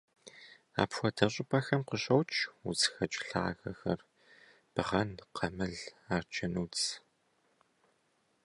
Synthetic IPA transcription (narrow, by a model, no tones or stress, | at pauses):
a̰ːpxʷɔtʰɐɕʼɪpʰʼɐxɐmqəɕʼɐwt͡ʃʰʼuzxɐt͡ʃʼɬaːxɐxɐr | b̥ɨʁɐnqʰɐmɨɮaːrt͡ʃʰʼɐnuː